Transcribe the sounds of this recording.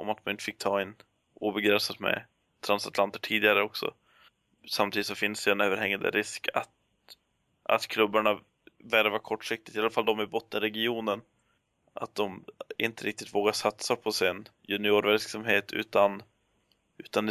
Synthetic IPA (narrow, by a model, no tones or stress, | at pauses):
ʔɔ̰mat̪manɪnt̪ə̥fɪk̚ːt̪ʰɑːɛn | uːbɛɡɾɛnsat̪mɛ̰ | t̪ʰɾansat̪lant̪əʈʰiːd̪ɪɡaɾəɔksɔ̰ | samt̪ʰiːd̪ɪt̪sɔfɪnːsd̪ɛɛnøːvəɾhɛŋːand̪ə̰ɾɪskʰa̰t̪ | ʔa̰t̪kʰlɵbːaɳa | væɾvakʰɔʈːʂɪk̚t̪ɪ̥t̪ɪaləfald̪ɔmæbʊt̪ːɪɾɛɡɪuːnən | ʔa̰t̪̚d̪ɔmɪnt̪əɾɪk̚t̪ɪt̪voːɡaʂat̪sapʰɔsɪnjɵnɪoːɾvɛlksamɦeːt̪ʰʉ̟̰ːt̪an | ʔʉ̟ːt̪and̪